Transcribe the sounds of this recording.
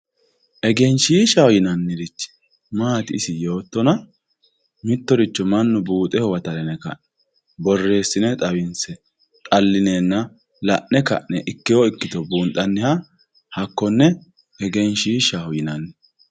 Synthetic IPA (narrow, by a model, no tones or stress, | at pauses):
ʔɛɡɛnʃiːʃɐhɔjɪnɐnːɪɾɪt͡ʃː | maːt̪ɪɪsɪjo̞ːt̪ːɔnɐ | mɪt̪ːɔɾɪt͡ʃːɔmɐnːʊbuːt̪ʼɛhɔwɐt̪ɐɾɛnɛkɐ̰ʔɛ̥ | bɔrːe̞ːsːɪnɛt̪ʼɐwɪnsɛ | t̪ʼɐlːɪneːnːɐ | lɐʔnːɛkɐ̰ʔnɛʔɪkːɪjɔɪkːɪt̪ɔbuːnt̪ʼɐnːɪhɐ | hɐkːɔnːɛ | ɛɡɛnʃiːʃɐhɔjɪnɐnːɛ